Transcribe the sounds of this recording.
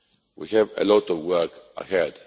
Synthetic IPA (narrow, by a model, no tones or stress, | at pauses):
wḭhɛvə̰lɔtɔvwɜ˞kə̰hɛd̥